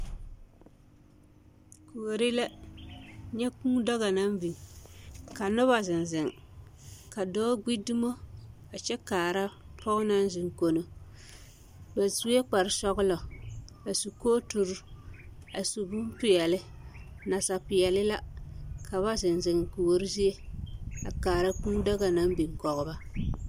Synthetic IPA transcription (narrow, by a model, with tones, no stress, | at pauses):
ku˨o˨ɾi˦la˦ | ɲɛ˦kũ˦dɔ˦ɣa˨na˦m˦bi˨ | ka˨nʊ˦βa˦zɪ˨n˨zɪ˨ŋ˨ | ka˨dɔː˦ɡ͡bi˦dɨ˦mo˦ | a˨t͡ʃɛ˦kaː˨ɾa˦ | pʰɔ˦ʊ˦na˦n˦zɪ˨ŋ˨ko˨no˨ | ba˨zu˦e˦k͡pa˨ɾɪ˨sɔ˦ɣʊ˦lɔ˨ | a˨su˨koː˦tu˨ɾ | a˨su˨bu˦m˦pɪ˨jɛ˨lɪ˦na˨sa˨pɪ˨jɛ˨lɪ˦la˦kʰa˨βa˦zɪ˨nzɪ˨ŋ˨ku˨wo˦ɾɪ˦zi˦e˦a̰˨kaː˨ɾa˦k͡pũ˦dɔ˦ɡa˨na˦m˦bi˨ŋ˨kɔ˨ɣʊ˦ba˦